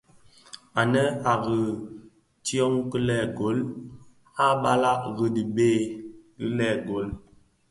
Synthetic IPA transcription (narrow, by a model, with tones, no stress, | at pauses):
a˨nə˦a˨ɣə˨ | tjɔ˦ŋkə˦lɛ˦˨ɡo˨˦l | a˦ɓa˦la˦ʔɣə˨di˨beː˦˨ki˦lɛ˦˨ɡo˨˦l